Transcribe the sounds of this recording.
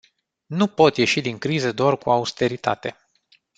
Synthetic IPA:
nupo̞t̪je̞ʃid̪iŋkɾizəd̪oarkuaust̪e̞ɾit̪a̰t̪e̞̰

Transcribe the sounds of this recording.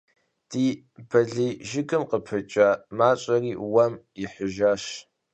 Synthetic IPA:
d̥iː | bɐɮiːʒɪɡɨmqəpʰɨt͡ʃʼɐmaːt͡ʃʼɐriːwɐm | iħəʒaʃ

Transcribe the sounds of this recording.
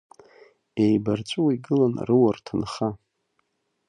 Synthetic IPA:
ejbart͡ɕʷʼuwiɡɨlanrɨwartʰanχa

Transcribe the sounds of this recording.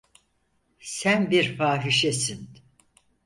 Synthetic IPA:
sænbiɾfaːɦiʃesin

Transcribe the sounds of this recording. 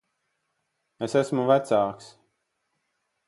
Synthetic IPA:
esæsmuvæt̪saːks

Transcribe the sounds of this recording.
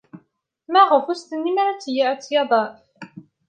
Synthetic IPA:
mæʁəfust̪ənːimaɾat͡sːjit͡sːjɑðˤɑf

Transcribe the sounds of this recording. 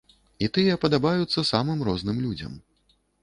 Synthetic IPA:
it̪ɨjɛpɐd̪abajut̪sːɐsamɨmrɔznɨmlʲud͡zʲɐ̰m

